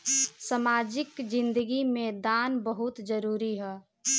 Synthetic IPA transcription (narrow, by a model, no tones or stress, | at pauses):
səmaːd͡ʒɪkd͡ʒɪ̃nd̪əɡimẽd̪aːnbəɦʊt̪d͡ʒəɾuːɾiɦɛː